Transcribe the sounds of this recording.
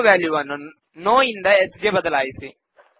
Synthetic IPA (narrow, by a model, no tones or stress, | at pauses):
ʋjaːljuʋɐnːu | noːind̪ɐesɡeːbɐd̪ɐlaːjisi